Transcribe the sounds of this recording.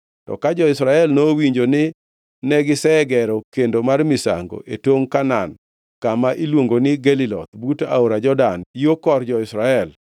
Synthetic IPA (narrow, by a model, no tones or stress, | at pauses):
tɔ̰kad͡ʒɔɪsɾaɛlnowiɲd͡ʒonɪ | nɛɡɪsɛɡɛɾɔkendomarmɪsa̰ŋɡo̰ʔetoŋkanan | kamaʔilwoŋɡonɪɡelilɔ̰t̪̚buta̰oɾad͡ʒɔdanjokɔrd͡ʒɔɪsɾaɛl